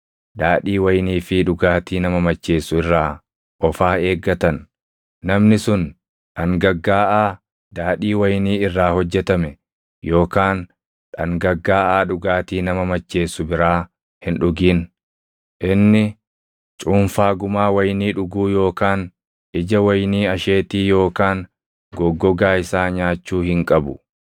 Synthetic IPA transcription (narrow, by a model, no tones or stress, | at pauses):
d̪aːᶑiːwɐjniːfɪᶑʊɡaːt̪iːnɐmɐmɐt͡ʃːe̞ːsʊɪrːaː | ʔɔfaːe̞ːɡːɐt̪ɐnː | ɐmnɪsʊn | ᶑɐŋɡɐɡːaːʔaː | d̪aːᶑiːwɐjniːɪrːaːhɔd͡ʒːɛt̪ɐmɛ | jo̞ːkaːn | ᶑɐŋɡɐɡːaːʔaːᶑʊɡaːt̪iːnɐmɐmɐt͡ʃːe̞ːsʊbɪɾaː | hɪnᶑʊɡiːn | ʔɪnːɪ | t͡ʃʼuːnfaːɡʊmaːwɐjniːᶑʊɡuːjo̞ːkaːn | ʔɪd͡ʒɐwɐjniːɐʃeːt̪iːjo̞ːkaːn | ɡɔɡːɔɡaːɪsaːɲaːt͡ʃːuːhɪŋkʼɐbʊ